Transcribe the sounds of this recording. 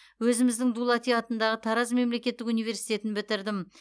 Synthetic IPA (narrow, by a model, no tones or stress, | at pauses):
wɵzɪmɪzd̪ɪŋd̪ulˠɑt̪ijɑt̪ənd̪ɑʁət̪ʰɑɾɑzme̞mle̞kʲe̞t̪ːɪkunijvʲe̞ɾsijt̪e̞t̪ɪnbɪt̪ɪɾd̪ɪm